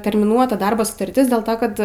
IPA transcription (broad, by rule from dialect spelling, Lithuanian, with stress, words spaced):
tʲɛrʲmʲɪˈnuɔtɐ ˈdɐrboː sʊtɐrʲˈtʲɪs dʲeːlˠ ˈtoː ˈkɐt